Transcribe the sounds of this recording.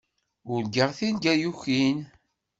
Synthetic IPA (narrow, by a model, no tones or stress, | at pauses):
ʊɾlɡəʁθinɡæjuçin